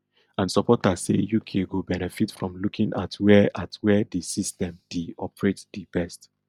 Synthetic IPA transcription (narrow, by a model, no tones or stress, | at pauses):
ãnsɔpɔtasḛjukʰẽɡobɛnɛfitfɹɔ̃mlukʰĩŋʔatwɛʔatʰwɛdisistɛ̃md̥iɔpɹetdibɛst